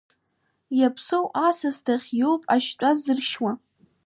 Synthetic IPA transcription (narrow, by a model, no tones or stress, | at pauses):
japʰsowʔasastʰaχʲjowpʼaʃt͡ʃʷʼazɨrʃwa